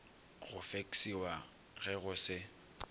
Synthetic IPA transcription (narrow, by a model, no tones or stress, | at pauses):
ɣʊfeksiwa | ɣɛɣʊsɪ